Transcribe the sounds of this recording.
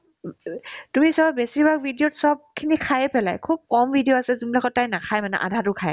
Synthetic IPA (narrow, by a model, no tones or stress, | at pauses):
tumisɔbɛsibak̚bʱidiotsɔb̚kʰinikʰajɛpɛla̰jkʰup̚kɔmvʱidijoasɛzumlakʰɔtajnakʰajmana̰ʔa̰dʱatukʰaj